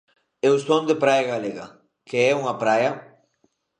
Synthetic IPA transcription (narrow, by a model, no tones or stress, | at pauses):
ewst̪ond̪epɾajaɣaleɣa̰ | keɛuŋapɾajɐ